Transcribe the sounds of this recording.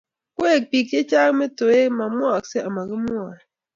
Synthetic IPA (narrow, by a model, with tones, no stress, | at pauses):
kwe˦˨k̚pi˨k̚d͡ʒe˦t͡ʃa˦kme˦to˨e˦ma˨mwa˦˨kse˦a˨ma˨ɣi˦mwa˨